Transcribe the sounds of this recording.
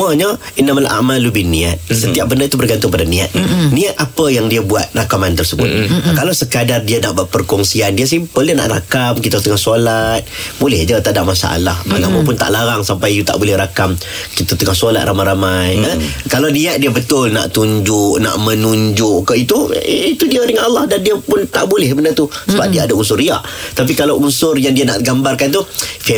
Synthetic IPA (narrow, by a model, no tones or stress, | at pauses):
əɲə | inamalʔa̰ʔmalːubɪniat̪̚sət̪iap̚bəndət̪ubərɡant̪ʊŋpadania̰t̪̚niat̪̚apəjaŋdiabua̰t̪̚rakamant̪ərsəbʊ̰t̪̚akalawsəkadardianaʔbuat̪̚pərkɔŋsiandias̬ihpələna̰ʔra̰kamkit̪at̪əŋahsalat̪̚ | bulɛɦad͡ʒət̪aʔdaʔmasa̰ʔa̰lahaɡamapʊnt̪a̰ʔlaɾaŋsampajjut̪a̰ʔbolɛhɾakam | kit̪at̪əŋahsuala̰t̪̚rʔamajɾamajəkalawdiaʔdiabət̪ʊlna̰ʔt̪uɲd͡ʒʊʔna̰ʔmənuɲd͡ʒʊʔkəit̪ṵit̪udiadəŋanalːɑhdandiapʊnt̪a̰ʔbolɛhbənət̪usəbap̚diaadaunsʊriaʔt̪ap̬ikalawʔunsʊrjaŋdianaʔɡambarkant̪uf